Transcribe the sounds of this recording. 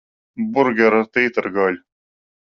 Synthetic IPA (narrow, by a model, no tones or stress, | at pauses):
bʊɾɡeɾɐt̪eːt̪ɐɾɡaːlʲ